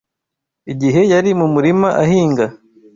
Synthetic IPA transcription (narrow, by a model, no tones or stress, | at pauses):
iɟiɦe̞jaɾimumuɾimaʔahiːŋɡa